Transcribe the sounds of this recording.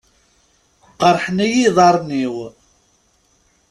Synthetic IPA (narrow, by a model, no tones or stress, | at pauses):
qəɾˤħnæjiðˤɑɾˤniw